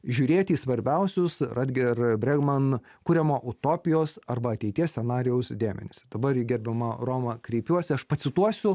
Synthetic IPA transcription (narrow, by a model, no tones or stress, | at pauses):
ʒʲuːɾʲeːt̪ʲiːsʋɐɾʲbʲɛʊsʲʊsrɐd̪ʲɡʲɛrbʲɾʲɛɡmɐnkuːɾʲɛmoːʔʊt̪oːpʲɪjoːsɐrbɐɐt̪ʲɛɪt̪ʲiɛsʲɛnɑːɾʲɪjɛʊsd̪ʲeːmʲɛ̰nʲɪsʲd̪̥ɐbɐrjɪɡʲɛɾʲbʲɛmɐroːmɐkɾʲɛɪpʲuɔsʲɪɐʃpɐtsʲɪt̪uɔsʲʊ